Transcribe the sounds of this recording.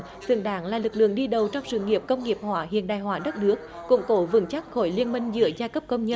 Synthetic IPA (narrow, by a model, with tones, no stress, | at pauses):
zɨ̰˧˩ɗaː˨˦ŋlaː˨˩lɨ˨˩k̚lɨ̰˧˨əŋɗi˧ɗə˨˩wt͡ɕɔ˧wŋ͡msɨ̰˧˨ŋi˨˩əp̚kə˧wŋ͡mŋi˨˩əp̚hwaː˧˩˦ɦḭ˧˨ənɗaː˨˩jɦwaː˨˧˦ɗə˦˥t̚nɨ˦˥ək̚kʊ̰˧˥ŋ͡mk̪o˧˦vɨ̰˨˧˩ŋt͡ɕa˦˥t̚xo˧˩˦jli˧ənmï˧ŋ̟zɨ̰˧˥əzaː˧kə˦˥p̚kə˧wŋ͡mɲə˧